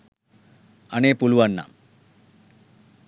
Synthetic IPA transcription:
ɐneːpuluʋɐnːa̰ːm

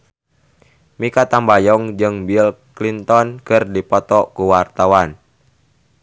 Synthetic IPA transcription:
mikat̪ambajɔŋd͡ʒɨŋbilklint̪ɔnkɨrdipɔt̪ɔkuwart̪awan

